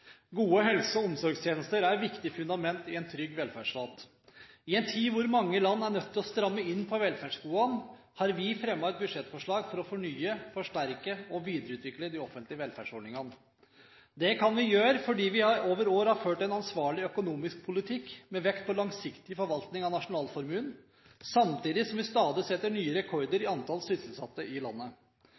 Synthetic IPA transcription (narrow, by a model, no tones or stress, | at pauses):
ɡuːəɦɛlsəɔɔmsɔɾɡst̪ʰjeːnəst̪əɾæɾʋɪkt̪ɪfʉnd̪ɑmɛnt̪ɪɛnt̪ʰɾʏɡʋɛlfæɖʂʋɑt̪ | ɪɛnt̪ʰiːʋʊɾmɑŋːəlɑnːæɳœt̪ʰːɪlɔst̪ɾɑmːəɪnːpʰɔʋɛlfæskuːɑn | hɑɾʋɪfɾɛmːɑɛt̪̚bʉd̪ʂɛt̪ːfɔʂɭɑːɡfɔɾɔfɔɳyːəfɔʂʈæɾkəɔʋiːd̪əɾəʉːt̪ʰʋɪkləd̪ɪɔfənt̪lɪəʋɛlfæ̰ɖʂɔɖɳɪŋɑn | d̪ɛkʰɑnʋɪjøːɾfɔɖiːʋɪhɑɾoːʋəɾoːɾhɑɾføːʈɛnɑnsʋɑːɭɪœkʊnuːmɪsk̚pʰʊlɪt̪ʰɪkːmɛʋɛkt̪̚pʰɔlɑŋsɪkt̪ɪəfɔɾʋɑlt̪nɪŋɑnɑʂʊnɑːlfɔɾmʉn | sɑmt̪iːd̪ɪsɔmʋɪst̪ɑːd̪ɪsɛt̪ːəɳyːəɾɛkʰɔɾd̪əɾɪɑnt̪ʰɑlsʏsl̩sɑt̪ːəʔɪlɑ̰nːə